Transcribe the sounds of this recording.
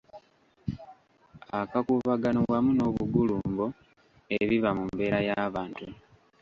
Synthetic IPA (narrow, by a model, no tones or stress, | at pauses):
akakuβaɡanowamuno̞ːβuɡuluːmbo | e̞βiβamumbe̞ːɾajaβaːntu